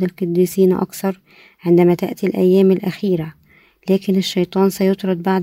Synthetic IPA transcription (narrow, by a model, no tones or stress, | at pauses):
d̪ɪlkɑd̪ːiːsiːnʔɑ̰kθɑɾˤ | ʕɪnd̪æmæt̪ɪ̰ʔt̪ilʔæ̰jːæːmɪlʔæxiːɾæ | læːkɪnɪʃːɑjt̪ˤɑːnsæjʊt̪ˤɾˤɑd̪̚baʕd̪